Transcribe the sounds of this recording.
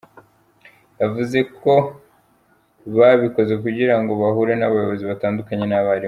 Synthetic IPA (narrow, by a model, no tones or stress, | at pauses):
javuze̞ko̞ | βaβiko̞ze̞kuɟiɾaŋɡo̞βaɦuɾenaβajo̞βo̞ziβataːndukaɲe̞naβaɾi